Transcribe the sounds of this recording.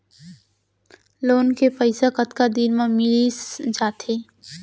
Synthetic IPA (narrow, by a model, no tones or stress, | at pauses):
loːnkepəɪsakət̪kad̪iːɾmãmɪlisd͡ʒaːt̪ʰeː